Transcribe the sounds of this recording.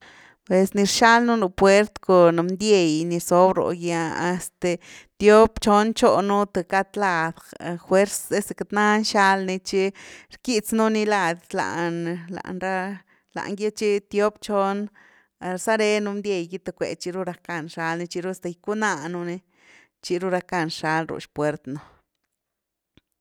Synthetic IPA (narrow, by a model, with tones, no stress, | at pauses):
pwe˨sni˧ɾʃa˦lnu˦nu˧pwe˦ɾt̪ko˨n˧nd̪je˧jni˧ɾso˧bɾo̰˨ɡja˧a˧st̪e˨˧t̪jo˦pt͡ʃo˦nt͡ʃo˧nu˦t̪e˧ka˧t̪la˧d̪xwe˦ɾse˦se˧ka˧t̪na˦nʃa˦lni˧t͡ʃi˦ɾki˧t͡snu˦ni˧la˧˨d̪la̰˨nla̰˨ʔnɾa˦ | la̰˨ŋɡje˦t͡ʃi˦t̪jo˦bt͡ʃo˧n˧ | ɾsa˦ɾe˧nu˧nd̪je˧˨jɡi˦t̪a˧kʷḛ˨t͡ʃi˧ɾu˦˧ɾa˧ka˧˨nʂa˧lni˧t͡ʃi˧ɾu˦st̪a˧jku˦na˧nu˧ni˧ | t͡ʃi˧ɾu˧ɾa˧ka˧˨nʃa˧lɾṵ˨ʃpwe˨˧ɾt̪no˧